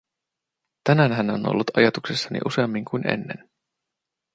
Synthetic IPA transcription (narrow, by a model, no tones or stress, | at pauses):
t̪ænænɦæno̞nʔo̰lːut̪ɑjɑt̪uksesːɑnḭʔuse̞ɑmːiŋkujne̞̰nːe̞̰n